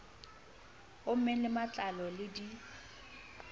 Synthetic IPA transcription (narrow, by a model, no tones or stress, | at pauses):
ʊm̩mɛlɪmat͡ɬʼalɔlɪdi